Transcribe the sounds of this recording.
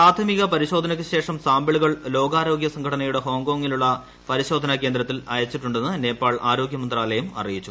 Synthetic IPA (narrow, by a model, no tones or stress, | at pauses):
paːt̪ʰɐmiɣɐpɐɾiɕo̞ːd̪ʱɐnɐk̬ʲːɨɕe̞ːʂɐmsaːmbeɭuɣɐɭlo̞ːɡaːɾo̞ːɡjɐsɐŋɡʰɐɽɐnɐjuɽeɦo̞ːŋko̞ːŋːiluɭːɐ | pɐɾiɕo̞ːd̪ʱɐnɐk̬end̪ɾɐt̪ːilɐjɐt͡ɕːiʈːuɳɖe̞nːɨne̞ːpːaːɭʔaːɾo̞ːɡjɐmɐnd̪raːlɐjɐmɐ̰rijit͡ɕːu